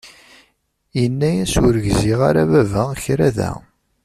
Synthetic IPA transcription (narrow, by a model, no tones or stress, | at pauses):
jənːæjæsʊɾəʝziʁaɾævævæçɾæðæ̰